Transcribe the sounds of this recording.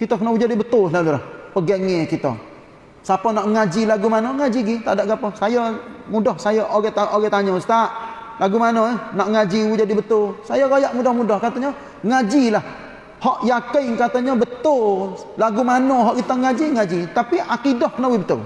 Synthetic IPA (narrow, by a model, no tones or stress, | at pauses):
kit̪ɔkənɔud͡ʒadibət̪ʊllalulahpəɡəŋekit̪ə̰ | sapɔnaʔŋad͡ʒilaɡumanɔŋad͡ʒiɡit̪a̰ʔdaʔɡapɔsajɔmudɔhsajɔʔoɡɛt̪aʔoɡɛt̪aɲɔsə̥t̪aʔ | laɡumanɔnaʔŋad͡ʒiud͡ʒadibət̪ʊlsajɔɾajaʔmudɔhmudɔhkat̪ɔɲɔ | ŋad͡ʒilah | hɔʔjakɪŋkat̪ɔɲɔbət̪ʊl | laɡumanɔɦɔʔkit̪ɔŋad͡ʒiŋad͡ʒit̪apiʔakidahkənawibət̪ʊ̰l